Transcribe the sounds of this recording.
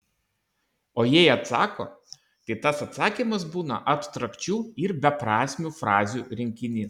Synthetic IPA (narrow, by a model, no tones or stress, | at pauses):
oːjɛɪɐt̪sɑːko̰ː | t̪ɐɪt̪ɐsɐt̪sɑːkʲiːmɐsbuːnɐ̰ʔɐt̪t̪ɾɐkt͡ʃʲuːɪɾbʲɛpɾɑːsʲmʲufɾɑːzʲuːɾʲɪŋʲkʲɪnʲiː